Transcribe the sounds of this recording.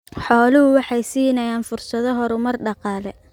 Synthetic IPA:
ħɔːlɪhʊwɑħɑjsiːnɐjaːnfʊrsɐðɔɦɔɾʊmɐrɖɑqɑːlɛ

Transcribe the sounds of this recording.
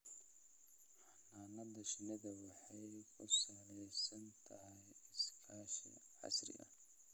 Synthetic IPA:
ħɑnaːnɐd̪ɐʃɪnɪðɐwɑħɑjkʰʊsaːlɛjsɐnt̪ʰɐɦɛjɪskʰaːʃḭʕɑ̰srɪ̰ʔɐ̰

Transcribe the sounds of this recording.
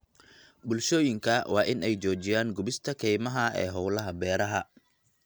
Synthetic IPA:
bʊlʃɔːjɪŋkʰɐwɑːʔɪnɛjt͡ʃɔːt͡ʃɪjaːŋɡʊbɪst̪ʰɐkʰɛjmɐɦɐɛ̰ːɦɔwlɐɦɐbɛːɾɐɦɐ

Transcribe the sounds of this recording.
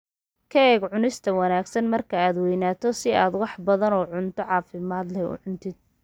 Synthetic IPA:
kʰɐɛːɡʕʊnɪst̪ʰɐwɐnaːɡsɐnmɐrkʰɐaːd̪wɛjnaːt̪ʰɔsɪaːd̪wɑħbɐðɐnɔːʕʊnt̪ʰɔʕɑːfɪmaːd̪lɛʊ̰ʕʊnt̪ʰɪd̪̚

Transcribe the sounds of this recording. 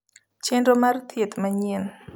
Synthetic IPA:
t͡ɕʰiənromart̪ʰːiət̪məɲiən

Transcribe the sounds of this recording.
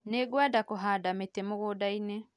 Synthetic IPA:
neɡwadakoɦaːdametemoɣoːdaine

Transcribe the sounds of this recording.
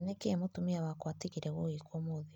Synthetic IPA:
nekemotumiawakwatiɣiɾɛɣoikwomoði

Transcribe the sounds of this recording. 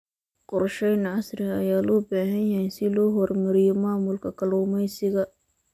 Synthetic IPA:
qɔrʃɛjnʕɑsɾɪɐjaːlɔːbaːɦɐjjɐhɛjsɪlɔːɦɔrmɐɾɪjɔmaːmʊlkʰɐkʰɐlɔːmɛjsɪɣɐ

